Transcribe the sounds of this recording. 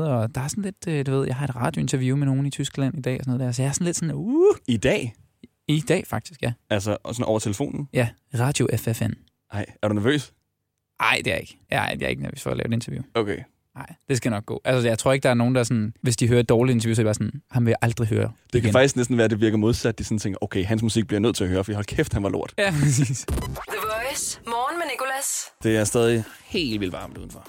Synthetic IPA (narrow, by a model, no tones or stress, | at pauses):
ð̩ˠɒd̥ɑ̈æɐsɔn̩le̝d̥ød̥uʋe̝ð̞̰ˠjɑ̈ɪɦɑ̈e̝d̥ʁɑ̈ːd̥joe̝nt͡sʰɛɐjumeno̝ːn̩it͡sʰysɡ̥læn̰id̥ɛ̰ːɒsnɔð̩ˠdæɐsɒjɑ̈æɐsɒ̽n̩le̝d̥sɔ̽nuid̥ɛ̰ː | id̥ɛ̰ːfɑ̈ɡ̥̚d̥isɡ̥jæælsəsɔnʔɒ̰ʊɐt͡sʰeləfo̝̰ːnn̩jæ | ʁɑ̈ːd̥jo̝ʔefefen | ʔɑɪ̰æɐɾ̥unæɐʋø̰ːs | ʔɑ̈ɪ̰d̥e̝æɐe̝ɡ̥jæd̥eæ̰ɐe̝ɡ̥næɐʋø̰ːsfɒ̰ːlɛ̰ʊe̥e̝nt͡sʰɐʋjṵokʰeː | ɑ̈ɪ̰d̥e̝s̬ɡ̥ænɒ̽ɡ̥̚ɡ̥ɔ̰ːʔælsəjɑ̈ɪt͡sʰʁo̝ɐeɡ̥əd̥ɑ̈æɐno̝ːn̩d̥ɑsɒ̽nʋe̝sd̥iɦøːɐd̥ɒːlient͡sɐʋjuːsɒdeb̥ɑːsɔ̽nhɑ̈mʋe̝ʔɑ̈ld̥ʁiɦø̰ːɐd̥e̝kʰæfɑ̈ɡ̥isɡ̥nesd̥n̩ʋæːɐd̥e̝ʋiɐɡ̥mo̝ð̞ˠsæd̥d̥isɔ̽nt͡sʰeŋɡ̥ɐʔoʊkʰeɪɦænsmusiɡ̥̚b̥liɐnøð̞̰ˠʰe̝læhøːɐfɒdihɒlkʰefd̥hænʋɑ̈lo̝ɐ̰d̥jæpʰʁɛsḭːsð̥əʋɔɪsmɒːnmenikolæsd̥e̝æɐsd̥ɛːð̞ˠihe̝̰ːldʋilʋɑ̈ːmd̥uðˠn̩fɒ